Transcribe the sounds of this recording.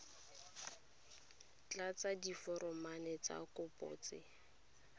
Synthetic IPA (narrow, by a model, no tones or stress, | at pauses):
t͡ɬat͡sadifɔɾɔmanɛt͡sa̰kʼʊpʼɔ̰ːt͡sɪ